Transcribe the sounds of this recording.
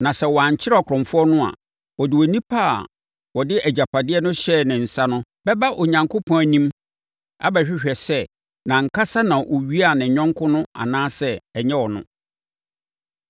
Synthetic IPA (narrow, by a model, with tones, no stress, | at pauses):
nã˨sɛ˦˨wɔ˨a˨ɲ˨t͡ɕʰɪ˦ɾɔ˨kʰɾɔ̃˨mfʊ˦ɔ˦nʊ̃˦a̰˨ | wɔ˨dɪ˨wɔ˨nĩ˦pʰaː˦a̰˨ | wɔ˨dɪ˦ʔæ˨d͡ʑa˨pʰa˨dɪ˦ɛ˦nʊ̃˦ɕɛ˦˨nɪ̃˨n̩˨sa˦nʊ̃˦bɛ˦ba˦ʔo˨ɲã˨ŋkʰo˦pʰɔ̃˦æ˨nĩ˦m | a̰˦bæ˨ɕᶣɪ˦ɕᶣɛ˨sɛ˦ | nã˨ŋ̩˨kʰa˦sa˦nã˨ʔɔ˨ɥi˦a˦˨nɪ̃˨ɲᶣɔ̃˦ŋkʰʊ̃˦nʊ̃˦a̰˨nãː˦sɛ˦ɛ˨ɲɛ̃˦wɔ˨nʊ̰̃˦